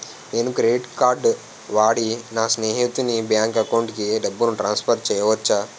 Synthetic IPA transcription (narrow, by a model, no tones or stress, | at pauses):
eːnukɾeiʈkaːɾɖ | ʋaːɽinaːsneːɦit̪unibjaːŋkɐkɐwɳʈkiɖebːunuʈɾaːnspʰɐɾʈ̚t͡ʃɛːjɐʋɐt͡ʃːaː